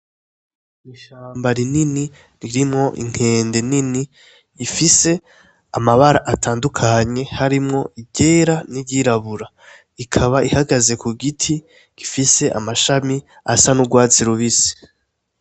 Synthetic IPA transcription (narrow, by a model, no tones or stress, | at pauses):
iʃaːmbaɾinini | ɾiɾimŋo̞ʔḭŋ̥he̞ːnde̞niniː | fise̞ | amaβaɾaʔatʰaːndukʰaɲe̞haɾimŋo̞ibɟe̞ːɾaniɟiɾaβuɾa | ikʰaβaʔihaɡaze̞kuɡitʰi | ɡ̥ifise̞ʔa̰maʃami | a̰sanuɡwaːt͡siɾuβisi̥